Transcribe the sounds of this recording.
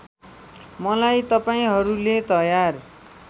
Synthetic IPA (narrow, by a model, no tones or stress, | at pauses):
mʌlajt̪ʌpaĩɦʌɾulet̪ʌjar